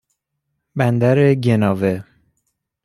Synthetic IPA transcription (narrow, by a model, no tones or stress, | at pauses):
bænd̪æɾeɟenɒːve